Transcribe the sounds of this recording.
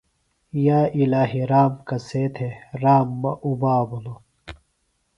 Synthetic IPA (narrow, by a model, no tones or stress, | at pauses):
jaːilaːɦiɾaːmkɐseːt̪ʰeɾaːmːɐʔubaːbuno